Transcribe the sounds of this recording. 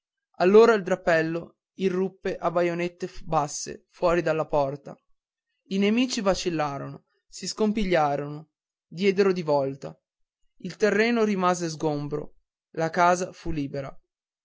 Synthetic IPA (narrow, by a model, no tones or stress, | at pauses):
alːoːɾaild̪ɾapːɛlːo | irːupːeʔabajonet̪ːebasːḛfwɔːɾid̪alːapɔrt̪a̰ | inemiːt͡ʃivat͡ʃilːaːɾono | siskompiʎːaːɾono | d̪jɛːd̪eɾod̪ivɔlt̪a̰ | ilt̪erːɛːnoɾimaːzezɡombɾo̰ | lakaːzafulːiːbeɾa